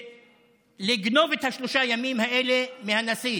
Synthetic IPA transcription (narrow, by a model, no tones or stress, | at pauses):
leɡno̞vet̪haʃloʃajamimhaʔelemehanasi